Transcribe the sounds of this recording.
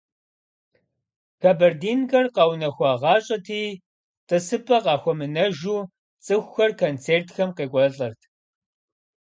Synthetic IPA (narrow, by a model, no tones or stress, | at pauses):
xaːbɐrdiːnɡɐrqɑwnɐxʷɑːʁɑːɕʼɐtʰiː | tʼɨsɨpʰʼɐqɑːxʷɔmɨnɐʒuː | t͡sʼɨxʷxɐrkʰont͡sʰeːrtʰxɐmqeːkʷʼɔɬʼɐrtʰ